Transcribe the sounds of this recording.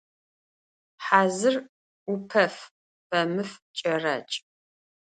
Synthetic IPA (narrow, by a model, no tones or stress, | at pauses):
ħaːzɨr | upʰɐf | b̥ɐmɨft͡ʃʼɐrɐ̰t͡ʃʼ